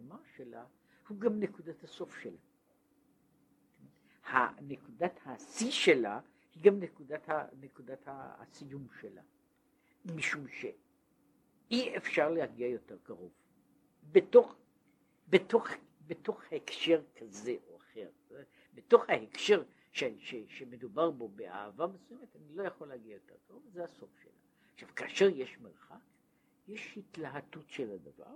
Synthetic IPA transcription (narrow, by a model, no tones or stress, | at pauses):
maʃela̰ | huɡamnekudat̪haso̞fʃela | ha̰nekudathasiʃela̰ | hiɡamnekudathanekudatha̰sijumʃela̰ | miʃumʃe | iefʃaʁlehaɡiajo̞te̞ʁkaʁov | beto̞χ | beto̞χbeto̞χhaekʃeʁkʰaze̞ʔoaχe̞ʁ | beto̞χhaekʃe̞ʁ | ʃeʃeʃeme̞dubaʁbo̞bea̰ːvamesujemetanilo̞jaχo̞leaɡiajo̞te̞ʁkaʁovzeaso̞fʃḛla̰ | χʃav̥kaːʃe̞ʁjeʃmeʁχak | jeʃhitlaɦadutʃeladava̰ʁ